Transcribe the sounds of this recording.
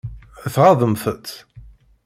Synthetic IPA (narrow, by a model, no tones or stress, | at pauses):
æθʁɑðˤəmθət͡s̪ː